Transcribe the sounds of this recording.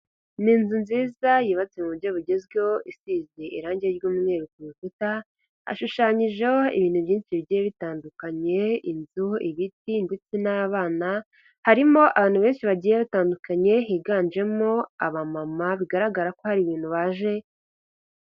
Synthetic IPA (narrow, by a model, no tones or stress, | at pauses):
niːnzunziːzajiːβat͡se̞muβuɾɟo̞βuɟe̞zɡeoʔisiːzeʔḭɾaːɲɟeɾɡuːmŋe̞ːɾukoβifuta | a̰ʃuʃaːɲiʒeoḭβiːn̥uβjiːnʃiβiɟijeβitaːndukaɲe̞inzuiβitindet͡sinaβaːna | haɾimo̞ʔaβaːnhuβe̞ːnʃiβaɟiːjeβataːndukaɲe̞ɦiɡaːnd͡ʒe̞moaβamamaβiɡaɾaɡaɾako̞haɾiβiːn̥huβaːʒe̞